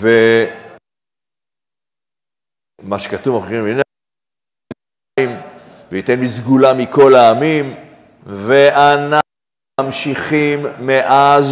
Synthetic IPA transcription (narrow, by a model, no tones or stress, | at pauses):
ve | maʃe̥katuvaχeʁimin | im | veitenmizɡulamiko̞laamim | veana | amʃiχimːeʔaz